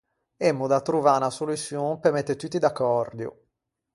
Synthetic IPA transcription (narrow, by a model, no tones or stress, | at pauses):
ɛmːud̪at̪ːɾuvanasolusjonpemɛt̪ːet̪ːut̪ːid̪akːɔrd̪jṵ